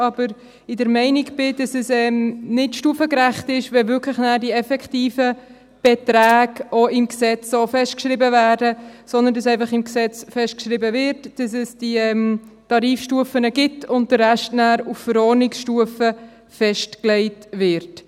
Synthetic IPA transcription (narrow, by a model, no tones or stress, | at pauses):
ɑb̥əɾ | ɪdəɾmɛɪnɪkb̥ɪd̥ɑsɛsɛmnɪtʃtuəfəkɾæχtɪʃʋɛvʏkʰləχnæːɾdiɛfɛkχtiːfə | b̥ɛtɾæːɡoɪmksɛt͡sofɛʃtkʃɾɪbəvæːdəsɔnd̪əndɑsɛɪfɑχɪmksɛt͡sfɛʃtkʃɾɪbəvɪɾtd̥ɑsɛsd̥iɛm | tɑɾiːfʃtuəfənəɡɪtʊnt̚d̥əːæʃtnæːɾuffəɾɔːɾnɪksʃtuəfə | fɛʃtklɛɪtvɪɾt